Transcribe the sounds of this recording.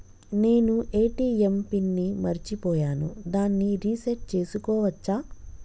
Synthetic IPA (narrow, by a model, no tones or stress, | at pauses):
ne̞ːnuʔe̞ːʈiːempinːimɐɾit͡ʃipɔːjaːnṵd̪aːnːiɾiːsɐʈ̚t͡ʃe̞ːsukɔːʋɐt͡ʃːaː